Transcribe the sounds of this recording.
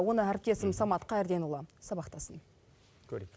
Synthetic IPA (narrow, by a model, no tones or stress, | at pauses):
wo̞nəæɾp̚t̪e̞sɪmsɑmɑt̪qɑɪɾd̪e̞nulˠɑsɑbɑqt̪ɑsən | kʲʰɵɾe